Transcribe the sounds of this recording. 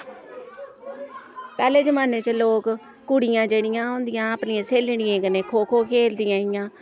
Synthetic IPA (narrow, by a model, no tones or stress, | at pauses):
pɛːleːd͡ʒəmaːneːt͡ʃəloːk | kʊɽɪjãːd͡ʒeːɽɪjãːɦõːnd̪ɪjãːəpnɪãːseːlɳɪjẽːkəneːkʰoːkʰoːkʰeːld̪ɪjãːɪjãː